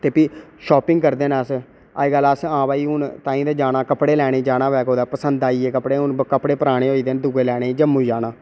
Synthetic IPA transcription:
t̪eːpiʃɔːpɪŋɡkəɾd̪eːnaəs | a̰ːiːɡələsãːbaːiːʊnt̪ãːĩːd̪aːd͡ʒaːnãːkəpɽeːlɛːɽ̃eːd͡ʒaːɽ̃aːʋɛːkɦoːd̪aːpəsənd̪aːiːeːkəpɽeːʊnkəpɽeːpəɾaːɽ̃eːoːiːd̪eːnd̪ʊɡeːlɛːɽ̃eːd͡ʒəmːũːid͡ʒaːnãː

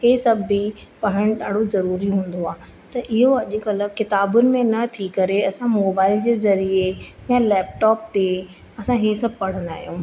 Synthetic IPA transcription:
heːsɐbʱipɐɦɪɽ̃ɗaːɽozɐɾuːɾiɦũːn̆d̪oaː | t̪ɐʔɪɦoɐʄʊ̆kɐlkɪt̪aːbʊnɪ̆mẽnɐt̪ʰikɐɾeɐsãmoːbaːɪld͡ʑeːzɐɾiejãlɛːp̚ʈɔːp̚t̪e | ɐsãɦeːsɐb̚ʱpɐɽ̤ə̃nd̪a̰ːɦijũː

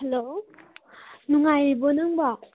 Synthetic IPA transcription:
helo | nuŋajbonɯŋba

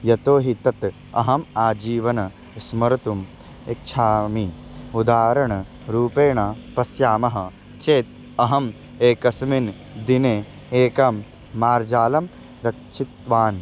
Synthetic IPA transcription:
jɐt̪oːɦit̪ɐt̪ | ɐ̰ɦɐmaːd͡ʒiːʋɐnɐ | smɐɾɐt̪um | ek̚t͡ʃʰaːmiud̪aːɾɐɳɐ | ɾuːpeːɳapɐsjaːmɐɦɐ | t͡ʃeːt̪̚ | ɐɦɐm | eːkɐsmin | d̪ine | eːkɐmː | aːɾd͡ʒaːlɐm | ɾɐkʃʰit̪ʋaːn

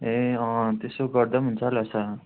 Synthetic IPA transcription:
eʌ̃t̪esoɡʌɾd̪ʌmɦunt͡sʰalasa

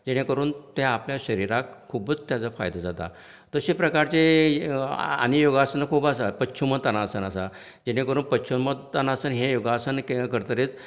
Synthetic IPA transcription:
d͡ʑeɽekəɾuːnt̪eapljaɕəɾiɾakʰːubət͡st̪jat͡safa̰jd̪ʱad͡zat̪a̰ | t̪əɕipɾəkaɾt͡se | a̰nijoɡasənəkʰuːbasapətːɕʰuməd̪̚t̪anasənəsa | d͡ʑeɽ̃ekəɾuːnpətːɕʰuməd̪t̪anasənɦejoɡasənkkəɾt̪əɾet͡s

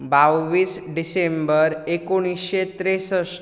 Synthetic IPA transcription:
bawʋiːs | ɖisembəɾekoɽ̃isɕet̪ɾesəs

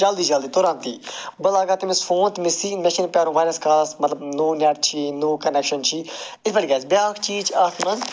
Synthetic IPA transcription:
d͡ʒɐld̪iːd͡ʒɐld̪iːt̪oɾãːnt̪ḭːbəlaːɡaːt̪imɪsfõːnt̪mɪsiːnmɛʃinpʲaːɾũʋaːjnɐskaːsmɐt̪ləbnoːnɛʈ̚t͡ʃʰiːnoːkɐnɛkʃənt͡ʃʰiːɪt̪bəɽiɡaːzbjaːkʰt͡ʃiːt͡ʃʰaːkʰnɐnz

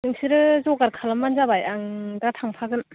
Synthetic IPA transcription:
nɯŋsɯɾɯzɔɡaɾkʰalamːanzabajaŋdatʰaŋpʰaɡɯn

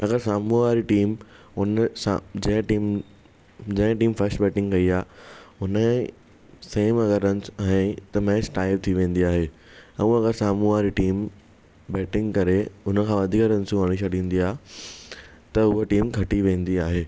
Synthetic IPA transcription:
ɐɡəɾsaːmuʋaːɾiʈiːm | ʊnsa̰d͡ʑɐ̃ɦɪ̃ʈiːm | d͡ʑɐ̃ɦɪ̃ʈiːmfɐɾsʈbɛːʈɪ̃ŋɡkɐiaːʊnə | seːmɐɡəɾənɪsɛ̃ːt̪ɐmɛ̃ːsʈaːɪb̚t̪ʰiʋẽːn̆d̪iaːɦeː | ɛ̃ũɐɡəɾsaːmũʋaːɾiʈiːm | bɛːʈɪ̃ŋɡkɐɾeʊnəkʰãːʋɐd̪ʱiːkəɾɐ̃nsuəɽ̃iʃɐɽ̤ʱĩːn̆d̪iaːɦe | t̪ɐʊɦoʈiːmkʰɐʈiʋẽːn̆d̪iaːɦeː

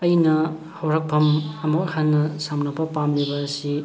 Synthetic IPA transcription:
ɐjnɐ | hɐwɾak̚pʰɐmɐmɐk̚ɐhanːɐsamnɐpɐpamlibɐːsi

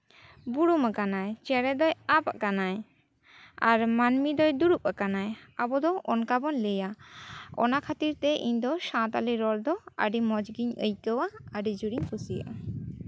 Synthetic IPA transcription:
buɽumakanajt͡ʃɛɾɛd̪ɔjapaʔkanaj | aɾmanmid̪ɔjd̪uɽup̚akanajabɔd̪ɔʔɔnkabɔnləja | ɔ̰nakʰat̪iɾt̪ɛʔḭɲd̪ɔʃãt̪a̰liɾɔld̪ɔə̰ɖimɔd͡ʒɡiɲə̰jkəwaəɖid͡ʒuɽiɲpʰusijə̰ʔa

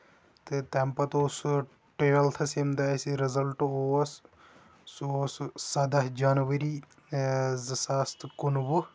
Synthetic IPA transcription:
t̪ɨt̪ɛmpɐt̪oːs | ʈeːʋɐlt̪ʰɐsimd̪aːsiɾɐzɐlʈoːɐs | soːssɐd̪ɐɦd͡ʒaːnʋɐɾiː | zsaːst̪kunʋɨ

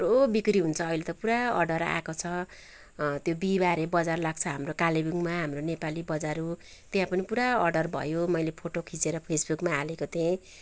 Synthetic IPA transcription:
robikɾiɦunt͡sʰʌːilet̪ʌpuɾaʌ̰rɖʌɾa̰kot͡sʰʌ | t̪jobibaɾebʌd͡zarlaɡt͡sʰʌɦamrokalibiŋmaɦamronepalibʌd͡zaɾu | t̪jãpʌnipuɾaʌrɖʌrbʱʌ̰jomʌjlepʰoʈokʰit͡seɾʌpʰesbukmaːlekot̪ʰẽ

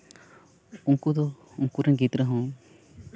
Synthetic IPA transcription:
uŋkud̪ɔ | uŋkuɾɛŋɡit̪ɾəɦɔ̃

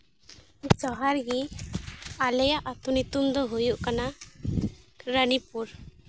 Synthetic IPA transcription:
d͡ʒɔɦaɾɡi | alɛjaʔat̪unit̪umd̪ɔɦojuʔkana | ɾənipuɾ

